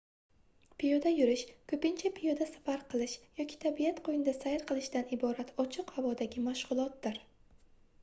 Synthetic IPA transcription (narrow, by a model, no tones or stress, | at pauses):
pʰijod̪ajʊɾɪʃkʰɵpɪnt͡ʃʰapʰijod̪asḁfaɾqʰɨlˠɪʃjɒkʲʰi̥t̪ʰabijat̪qʰojɪnɪd̪asajɪɾqʰɨlˠɪʃd̪anɪbɒɾat̪ʰɒt͡ʃʰɪqhavɒd̪aɡʲɪmaʃʁʊlˠɒt̪̚d̪ɪɾ